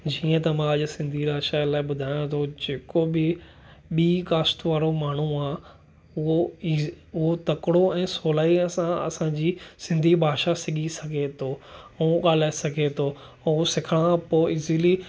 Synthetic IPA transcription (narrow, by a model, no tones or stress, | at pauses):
d͡ʑiːə̃t̪ɐmãɐʄʊsɪ̃nd̪ʱiɾaːʃalaːɪɓʊd̪ʱaːjõt̪ʰod͡ʑeːkobɪ | ɓiːkaːst̪ʋaːɾomaːɳ̤uaː | ʊɦo | ʊɦot̪ɐkɽoɛ̃ːsoːlaːiɐsãɐ̰sãːd͡ʑiːsɪ̃nd̪ʱibʱaːʃasɪɠʱisɐɡʱet̪ʰoːuũɠaːlaːesɐɡʱet̪ʰoː | osɪkʰəɽ̃ãpoːɪzili